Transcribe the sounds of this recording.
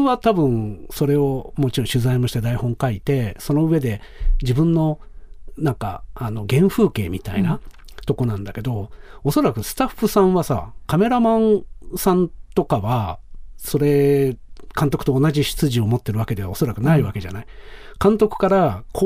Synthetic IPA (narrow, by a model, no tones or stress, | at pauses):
βat̪abɯ̟̃ɴso̞ɾe̞o̞mo̞t͡ɕiɾõɕɨzaimoɕi̥t̪ed̪aihõ̞ŋkait̪e̞so̞no̞ɯ̟e̞d̪e̞ | d͡ʑibɯ̟̃nːo̞nãŋka̰ːno̞ɡẽ̞ɰ̃ɸɯ̟ːke̞ːmʲit̪aina | t̪o̞ko̞nãnd̪ake̞d̪o̞oso̞ɾakɯ̟sɨ̥t̪aɸːɯ̟sãɰ̃βasa̰kame̞ɾamãnsãnt̪o̞kaβaso̞ɾe̞ | kãnt̪o̞kɯ̟̥t̪o̞ːnaʑiɕi̥t͡sɨʑio̞mo̞t̪ːe̞ɾɯβake̞d̪e̞βao̞so̞ɾakɯ̟naiβake̞ʑa̰naikãnt̪o̞kɯ̟̥kaɾako